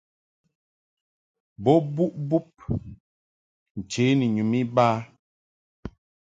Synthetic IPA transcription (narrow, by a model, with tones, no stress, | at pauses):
bɔ˦bu˦ʔbu˦p̚ | n̩˨t͡ʃe˨˦ni˨ɲu˨mi˦ba˦